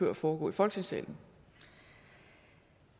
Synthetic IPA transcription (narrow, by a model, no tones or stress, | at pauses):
øɐ̰fɒːɡ̥ɔ̰̽ːifɒ̽lɡ̥t͡sʰeŋsɛ̰ːln̩